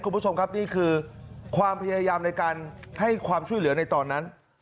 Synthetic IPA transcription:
ku˧nbʰt͡ɕʰo˧mkʰa˦˥p̚niː˥˩kʰɯː˧kʰwaː˧mpʰa˧jaː˧jaː˧mna˧jkaː˧nha˥˩jkʰwaː˧mt͡ɕʰu˥˩jlɯ˨˩˦ɐna˧jt̪ɔː˧nːa˦˥n

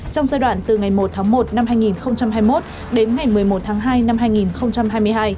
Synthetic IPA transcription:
t͡ɕɔ˧wŋ͡mzaː˧jɗwa̰ː˧˨nt̪ɨ˨˩ŋa˨˩jmo˨˩t̚t̪ʰaː˨˦ŋmo˨˩t̚na˧mhaː˧jŋi˨˩nxə˧wŋ͡mt͡ɕa˧mɦaː˧jmo˦˥t̚ | ɗe˨˦nŋa˨˩jmɨ˨˩əjmo˨˩t̚t̪ʰaː˨˦ŋɦaː˧jna˧mhaː˧jŋi˨˩nxə˧wŋ͡mt͡ɕa˧mɦaː˧jmɨ˧əjɦaː˧j

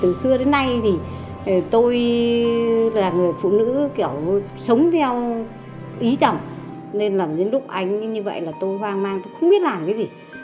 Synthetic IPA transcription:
t̪ɨ˨˩sɨ˧əɗe˨˦nːa˧jt̪ʰi˨˩˨ | t̪o˧j | laː˨˩ŋɨ˨˩əjfṵ˧˨nɨ̰˧˥ki˧˩əw | sə˨˦wŋ͡mt̪ʰɛ˧w | ʔi˨˦t͡ɕɔ˨˩wŋ͡m | ne˧nlaː˨˩mze˨˦nlʊ˦˥k͡p̚ʔa˧jŋ̟ɲɨ˧və̰˧˨jlaː˨˩t̪o˧jhwaː˧ŋmaː˧ŋt̪o˧jxə˧ŋ͡mɓi˦˥ət̚laː˨˩mkə˨˦zi˨˩

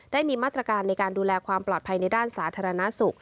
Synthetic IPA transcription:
d̥aː˥˩jmiː˧maː˥˩t̪ɾa˧kaː˧nːa˧jkaː˧nduː˧lɛː˧kʰwaː˧mplɔː˨˩t̪̚pʰa˧jna˧jdaː˥˩nsaː˩˦t̪ʰaː˧ɾa˧na˦˥su˨˩k̚

